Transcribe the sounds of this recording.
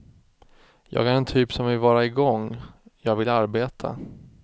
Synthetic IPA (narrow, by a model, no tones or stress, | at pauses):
jɑ̰ːɡaɾɛnt̪ʰyːpsɔmvɪlvɑːɾaɪɡɔŋjɑːɡvɪlːaɾbeːt̪ʰa̰